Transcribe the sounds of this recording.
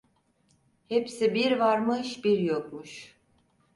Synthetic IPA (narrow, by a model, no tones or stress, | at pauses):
hepsibiɾvaɾmɯʃbiɾjokmuʃ